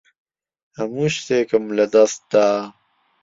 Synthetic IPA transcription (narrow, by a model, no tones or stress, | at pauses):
ɐmuɕt̪ekəmlɐd̪ɐst̪̚d̪aː